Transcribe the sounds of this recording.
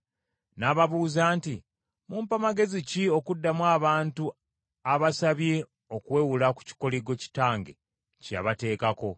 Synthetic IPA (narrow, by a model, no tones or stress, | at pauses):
naːβaβuːzaːnti | muːmpamaɡe̞zicio̞kudːamwaːβaːntu | aβasaβje̞ | o̞kwe̞ːwulaku̥ci̥ko̞liɡo̞ci̥taːŋɡe̞̰ | ca̰βate̞ːkako̞